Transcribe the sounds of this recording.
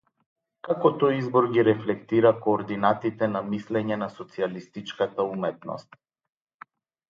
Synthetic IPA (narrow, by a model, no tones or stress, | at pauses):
kakɔt̪ɔjizbɔɾɡiɾɛflɛkt̪iɾakɔːɾd̪inat̪it̪ɛnamislɛɲɛnasɔt̪sialist̪it͡ʃkat̪aumɛt̪nɔ̰st̪̚